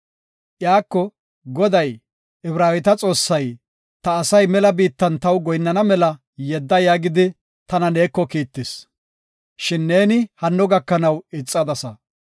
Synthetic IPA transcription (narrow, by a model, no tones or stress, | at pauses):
ʔjaːkːɔ | ɡɔd̪ɐj | ɪbɾaːwɪt̪ɐt͡sʼo̞ːsːɐj | t̪ɐːsɐjmɛlɐbiːt̪ːɐnt̪ɐwɡɔjnːɐnɐmɛlɐ | jɛd̪ːɐjaːɡɪd̪ɪ | t̪ɐnɐne̞ːkːɔkiːt̪ːɪs | ʃɪnːe̞ːnɪhɐnːɔɡɐkːɐnɐwɪt͡sʼːɐd̪ɐsɐ